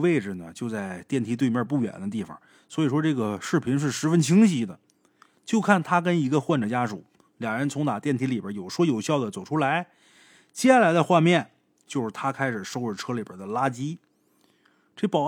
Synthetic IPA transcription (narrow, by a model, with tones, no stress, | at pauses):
e˥˩ɪʈ͡ʂɻ̩˨˩nə˩t͡ɕjo˥˧ʊt͡sa˥˧ɪt̪jɛ˥˩nt̪ʰi˧˥t̪we˥˧ɪmjə˥˧p̬u˥˩ɥɛ̰˨˩nd̪ə˦t̪̬i˥˩fɑ̰˨˩ | swɔ˧˥i˨˩ʂwɔ˥ʈ͡ʂɤ˥˩ɡə˩ʂɻ̩˥˩pʰi˧˥nʂ̬ɻ̩˥˩ʂɻ̩˧˥fə˧˥nt͡ɕʰi˧˥ŋɕi˧˥d̪ə˧ | t͡ɕjo˥˧ʊkʰa˥˩nt̪ʰa˥k̬ə˥ni˧˥ɡə˧xwa˥˩nʈ͡ʂə˨˩t͡ɕja˥ʂṵ˨˩˦ | ljɑ˨˩ŋɻə˧˥nt͡sʰʊ˧˥ŋt̪a˨˩t̪jɛ˥˩nt̪ʰi˧˥li˨˩bə˧˥jo˨˩ʊʂwɔ˥jo˨˩ʊɕjɑ˥˩ʊd̪ə˩t͡so˨˩ʊʈ͡ʂʰu˥la˧˥ɪ | t͡ɕjɛ˥˩la˧˥ɪt͡sa˧xwa˥˧mjɛ˥˩n | t͡ɕjo˥˧ʊʂɻ̩˥˩t̪ʰa˥kʰa˥ɪʂɻ̩˨˩ʂo˥ʊə˥˩ʈ͡ʂʰɤ˥li˨˩bə̰˞˨˩d̪ə˦la˥t͡ɕi˥ | ʈ͡ʂe˥˩pɑ˨˩ʊ